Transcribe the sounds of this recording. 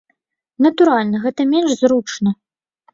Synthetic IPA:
nɐt̪uɾalʲnɐɣɛt̪ɐmʲɛnʂzɾut͡ʂnɐ

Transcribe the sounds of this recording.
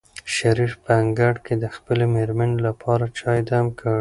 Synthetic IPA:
ʃaɾifpəaŋɡaɽked̪əxpəlemeɾmanelapʰɑɾat͡ʃɑjd̪amkʰəɽ

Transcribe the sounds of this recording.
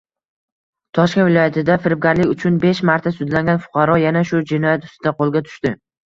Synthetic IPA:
t̪ʰɒʃkʲenvɪlɒjat̪ʰɪd̪afɪɾɪp̚ɡʲaɾlɪkʲʊt͡ʃʰʊnbe̞ʃmaɾt̪ʰasʊd̪laŋɡʲanfʊ̥qʰɑɾɒjanaʃʊd͡ʒɪnɒjat̪ʊst̪ɪd̪aqʰolˠɡʲat̪ʰʊ̥ʃt̪ɪ

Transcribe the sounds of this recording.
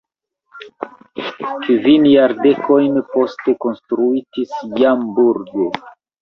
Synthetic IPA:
kvinjaɾde̞kʰo̞jnpo̞ste̞ko̞nstɾuitisjambuɾɡo

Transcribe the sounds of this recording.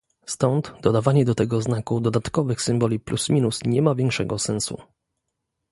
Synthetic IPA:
st̪ɔnd̪d̪ɔd̪avaɲɛd̪ɔt̪ɛɡɔznakud̪ɔd̪at̪kɔvɘxsɘmbɔlʲiplusmʲinusɲɛmavʲjɛŋkʂɛɡɔsɛnsṵ

